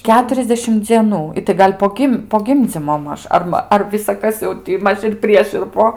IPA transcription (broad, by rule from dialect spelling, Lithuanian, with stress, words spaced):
ˈkʲæːtʊrʲɛzʲdʲɛʃʲɪm d͡zʲiɛˈnuː ˈɪtɐɪ ˈɡɐlʲ poː ˈɡʲɪm poː ˈɡʲɪmʲd͡zʲiːmoː ˈmɐʃ ˈɐr mɐ ˈɐr ʋʲɪsɐˈkɐs jɛʊ ˈtʲɪ ˈmɐʃ ɪr ˈpʲrʲiɛʃ ɪr ˈpoː